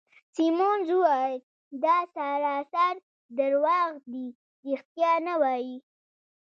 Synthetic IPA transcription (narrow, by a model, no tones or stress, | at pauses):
simonzuwɑj | d̪ɑsaɾɑsaɾ | d̪əɾwɑɣd̪i | ɾixt̪jɑnawɑji